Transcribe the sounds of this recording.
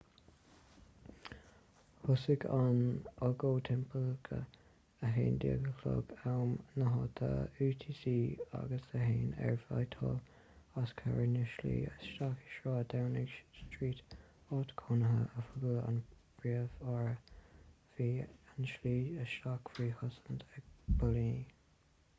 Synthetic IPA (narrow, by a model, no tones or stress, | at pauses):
hʊsɪɡanɔɡoːt̪ʰɛmpʰəlɡʰə̰ | əɦeːnd̪ḭːəɡəkʰlo̰ɡawmnəɦɑːt̪ʰə̰uːt̪ʰiːsiːa̰ɡəsəɦeːnɛ̰ɹfajt̪ʰɔl | askʰa̰ɹənəʃlḭːəʃakɪ̥ʃɹaːdawnɪɡstɹiːt | ɔt̪kʰɔnəɦəʔəfʊɡələa̰n | b̥ɹiəvaɹə | viːanʃliːəʃakfɾiːhʊsə̥ntʰɛɡ̚b̥ɔliː